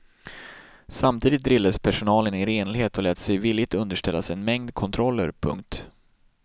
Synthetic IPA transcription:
samt̪ʰiːd̪ɪt̪̚d̪ɾɪlːaspʰæʂʊnɑːlənɪɾeːnlɪheːt̪ɔlɛːt̪sɛjviːlːɪt̪ɵnd̪əʂʈɛlːasɛnmɛŋd̪kʰɔnt̪ʰɾɔlːə̰ɾpʰɵ̰ŋkt̪

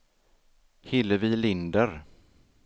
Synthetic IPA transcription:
hɪlːəvɪlɪnd̪əɾ

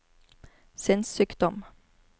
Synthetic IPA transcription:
sɪnsyːkd̪ɔm

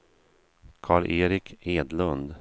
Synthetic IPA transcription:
kʰɑːɭʔeːɾɪkʰeːd̪lɵnd̪

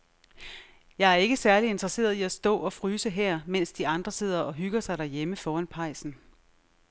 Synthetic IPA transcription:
jɑ̈ɪæɐe̝ɡ̥əsæɐlie̝nd̥ʁɐse̝̰ːɐð̞ˠiæsd̥ɔ̰̽ːɒ̽fʁyːsəɦɛɐ̰men̰sd̥iɑ̈nd̥ʁɐse̝ð̞̰ˠɐʔɒ̽ɦyɡ̥ɐsɑ̈ɪɾ̥æɐjeməfɒːænpʰɑ̈ɪ̰sn̩

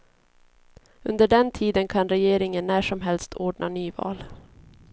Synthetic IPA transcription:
ɵnd̪əɖɛnt̪ʰiːd̪ənkʰanɾɛjeːɾɪŋənːæːʂɔmɦɛlst̪ʰoːɖɳa̰nyːvɑ̰ːl

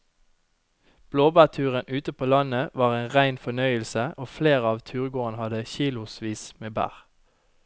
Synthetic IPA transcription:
b̥loːbæːʁt̪ʰʉːʁənʔʉːt̪əpʰoːlɑnəʋɑːʁeːnʁæɪnfɔnœʏəlsəʔoːfleːʁəɑːʋt̪ʰʉːʁɡoːʁənhɑd̪əçiːlʊsʋiːsmeːbæ̰ːʁ

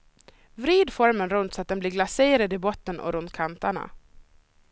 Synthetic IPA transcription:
vɾiːd̪fɔɾmənɾɵnt̪sɔat̪̚d̪ɛnblɪːɾɡlaseːɾad̪ɪbɔt̪ːənʔɔ̰ɾɵnt̪̚kʰant̪aɳa̰

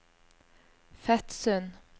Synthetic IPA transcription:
fɛt̪sœn

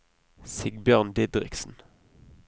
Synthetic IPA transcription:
sɪɡbjœːʁnd̪ɪd̪ʁɪ̰ksn̩

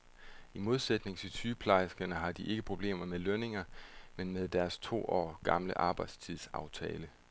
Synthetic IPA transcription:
imo̝ð̞ˠsed̥ne̝ŋsʰet͡sʰyːpʰlɑ̈ɪsɡ̥ɐnəɦɑ̈d̥iʔe̝ɡ̥əpʰʁo̝b̥le̝̰ːmɐmeløne̝ŋɐmenmeð̞ˠd̥æɐst͡sʰo̝̰ːʔɒ̰ːɡ̥ɑ̈mləʔɑ̈ːb̥ɑ̈ɪd̥st͡sʰiðˠsɑ̈ʊt͡sʰɛ̰ːlə

